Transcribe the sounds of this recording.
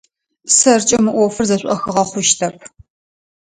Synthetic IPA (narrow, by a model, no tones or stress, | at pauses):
sɐrt͡ʃʼɐmɨʔʷɔfɨrzɐɕʷʼɔxɨʁɐχʷʊʃtʰɐp̚ʰ